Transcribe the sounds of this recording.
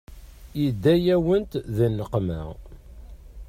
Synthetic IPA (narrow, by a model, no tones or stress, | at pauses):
jid̪ːæjæwənt̪ðænːəqmæ̰